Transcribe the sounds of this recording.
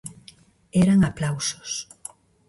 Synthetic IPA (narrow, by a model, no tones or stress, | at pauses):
ɛɾaŋaplawso̥s